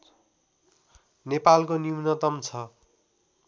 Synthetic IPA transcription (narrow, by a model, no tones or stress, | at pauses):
nepalkonimnʌt̪ʌmt͡sʰʌ